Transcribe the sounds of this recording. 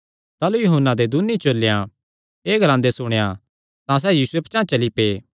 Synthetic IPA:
t̪aːlujʊɦʊnːad̪ed̪unit͡ʃolːejã | eːɡɐɾãːnd̪esʊɽ̃eja | t̪ãs̬ɛːjiːsuept͡ʃãːt͡ʃɐlipeː

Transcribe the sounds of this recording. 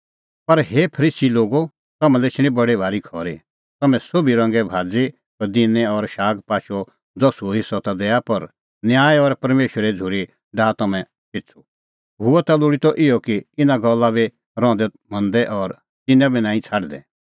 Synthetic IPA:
pɐɾɦepʰɐɾiːsiloːɡo | t̪ɐmɛ̃lɛt͡ʃʰɪɽ̃ĩbɐɽebʱaːɾikʰɔːɾi | t̪ɐmɛ̃sobʱiɾɐ̃ŋɡɛbʱaːd͡zi | ɐd̪inɛɔɾʃaːɡpaːʃɔ | d͡zɔsuɦɪsːɔt̪ad̪ɛːjapɐɾ | njaːjɔɾpɐɾmeːʃəɾɛd͡zʱuɾi | ɖaːt̪ɐmɛ̃ | pɪt͡sʰu | ɦʊɛt̪alʊɽit̪ɔʔɪjɔkiɪnaɡɐlːabi | ɾɔ̃ːd̪ɛ | m̤ɐ̃nd̪ɛʔɔːɾ | t̪ɪnɛ̃binãːĩt͡sʰaːɖd̪ɛ̰

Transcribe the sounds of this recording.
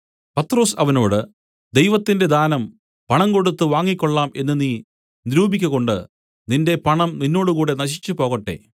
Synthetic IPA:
pɐt̪ːro̞ːsɐʋɐno̞ːɽɨ | d̪ejʋɐt̪ːinde̞d̪aːnɐm | pɐɳɐmko̞ɽut̪ːɨʋaːŋːikʲːo̞ɭːaːmʔe̞nːɨniː | niɾuːbikʲːɐɣo̞ɳɖɨ | ninde̞pɐɳɐmninːo̞ːɽukuːɽe̞nɐɕit͡ɕːɨpo̞ːɣɐʈːe̞̰ː

